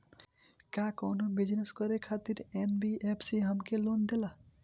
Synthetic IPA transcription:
kakɔnobid͡ʒneskɔɾekʰat̪iɾenbiepʰsiɦəmkelond̪ela

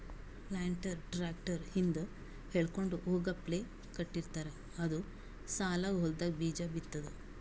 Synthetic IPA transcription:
laːɳʈɐɾʈɾaːk̚ʈɐɾhind̪ɐ | heɭko̞ɳɖuʔoːɡɐple | kɐʈːiɾt̪aːɾe | ɐd̪u | saːlaːɡɐɦold̪aːɡɐbiːd͡ʒɐbit̪ːɐd̪e

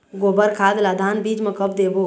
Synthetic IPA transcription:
ɡobəɾkʰad̪lad̪ʱanbid͡ʒmẽkəp̚ʰd̪ebo

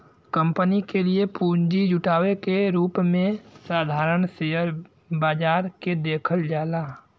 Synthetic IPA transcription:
kə̃mpənikeliepuːɲd͡ʒid͡ʒʊʈaːwekeɾuːpmẽsaːd̪ʱaːɾəɳseːjəɾ | baːd͡ʒaːɾked̪eːkʰəld͡ʒaːlaː

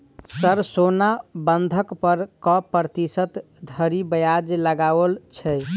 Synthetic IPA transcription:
səɾsonabənd̪ʱəkpəɾkɔpɾət̪isət̪ | d̪ʱəɾibəjad͡ʒləɡaʋəlt͡ʃʰɛ

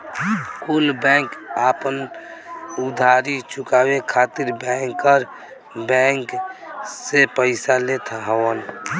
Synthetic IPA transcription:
kulbɛ̃ŋkapən | ʊd̪ʱaːɾit͡ʃʊkaːwekʰaːt̪ɪɾbɛ̃ŋkːəɾ | bɛ̃ŋksepəɪsalet̪ʰɦəwən

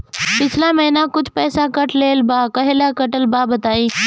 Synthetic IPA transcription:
pɪt͡ʃʰlãmɛ̃ːnãkʊt͡ʃʰpɛːsakɐʈleːlbaːkɐɦelaːkəʈəlbaːbət̪aːiː

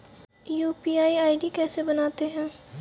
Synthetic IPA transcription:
juːpiːaːiaːɪɖikɛːsebɐnaːt̪eɦɛ̃ː

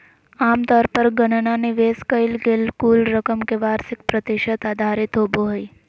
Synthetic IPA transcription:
amt̪ɔːɾpəɾɡənənaneʋeskəjlɡelkulɾəkəmkeʋaɾsɪk̚pɾət̪iʃət̪ad̪ʱaɾɪt̪ɦoboɦəj

